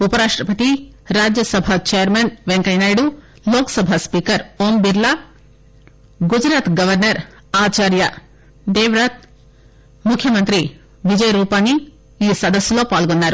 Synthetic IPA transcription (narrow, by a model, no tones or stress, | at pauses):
upɐɾaːʂʈɾɐpɐt̪iɾaːd͡ʒjɐsɐbʱat͡ʃejɐɾmenʋeŋkɐjnaːjɽu | loːkɐ̥sɐbʱaspiːkɐɾoːmbiɾla | ɡud͡ʒɾaːt̪ɡɐʋɐɾnɐɾ | aːt͡ʃaːɾjɐ | d̪eːʋɾaːt̪̚ | mukʰjɐmɐnt̪ɾi | ʋid͡ʒɐjɐɾuːpaːnːi | iːsɐd̪ɐsjulo̞ːpaːlɡonːaːɾu